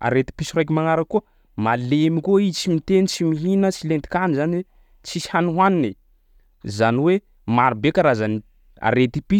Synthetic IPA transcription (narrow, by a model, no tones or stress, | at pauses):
a̰ɾet̪i̥pisiɾajk̬ʲimaŋaɾakːuə | malemikuit͡ʃimit̪enit͡simiɦinət͡silent̪i̥kanizan | t͡sihanuɦanini | zaniwe | maɾibekaɾazani | a̰ɾet̪i̥pi